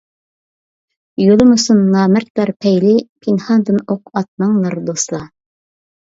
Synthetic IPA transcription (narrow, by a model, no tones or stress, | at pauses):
jolˠɤmŭsunːɑːmæɾt̪̚b̪ɑɾpʰæjlɪpʰinhɑnd̪ɤnoq̚ɑt̪̚nɑɴlˠɑɾd̪oslˠɑ